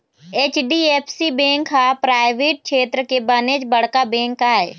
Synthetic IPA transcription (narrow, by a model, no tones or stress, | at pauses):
eːt͡ʃɖieːpʰsibẽːŋkɦapɾaːɪʋeːʈ̚kʃeːt̪ɾəkebəned͡ʒbəɽkabɛ̃ːŋkːaɦɛ̰ː